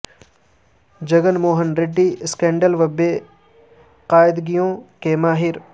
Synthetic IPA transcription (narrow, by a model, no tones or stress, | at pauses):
d͡ʒɐɡənmoːɦənɾɪɖːiːskẽːɳɖəlʋɐbeː | qaːɪd̪ɡijõːkeːmaːɦɪɾ